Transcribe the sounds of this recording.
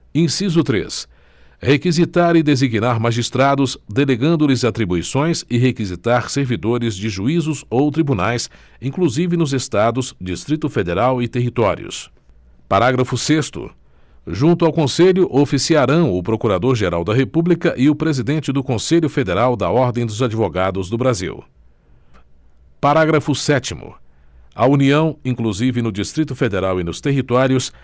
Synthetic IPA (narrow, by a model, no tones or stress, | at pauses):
ĩsizʊt̪ɾḛs | hekizit̪aɾɪd̪eziɡnaɾmaʒist̪ɾad̪ʊzd̪eleɡɐ̃nd̪ʊlɪzat̪ɾibuisõj̃sɪɦekizit̪aɾseɾvid̪oɾɪzd͡ʒɪʒuizʊzowt̪ɾibunajs | ĩŋkluzivɪnʊzest̪ad̪ʊzd͡ʒist̪ɾit̪ʊfed̪eɾawɪt̪eɦit̪ɔɾḭʊ̰s | paɾaɡɾɐfʊsest̪ʊ̰ | ʒũnt̪ʊawkõseʎʊʔofisiaɾɐ̃w̃ʊpɾokuɾad̪oɾʒeɾawd̪ɐɦepublikɐʔɪʊpɾezid̪ẽnt͡ʃɪd̪ʊkõseʎʊfed̪eɾawd̪ɐɔɾd̪ẽj̃d̪ʊzad͡ʒivoɡad̪ʊzd̪ʊbɾazḭw | paɾaɡɾɐfʊsɛt͡ʃimʊ̰ | ɐuniɐ̃w̃ĩkluzivɪnʊd͡ʒist̪ɾit̪ʊfed̪eɾawɪnʊst̪eɦit̪ɔɾiʊs